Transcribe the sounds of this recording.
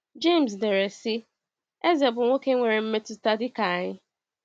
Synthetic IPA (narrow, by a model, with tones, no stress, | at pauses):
d͡ʒe˦˨ms̬de˨ɾe˨sɪ˦ | e˦ze˨bʊ˨˦o˦ke˦ŋʷe˨ɾe˨m̩˦me˦tʊ˨sta˦di˦ka˨ɲɪ˦